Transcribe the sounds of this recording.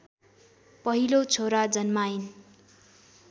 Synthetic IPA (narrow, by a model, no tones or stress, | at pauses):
pʌɦilot͡sʰoɾad͡zʌnmain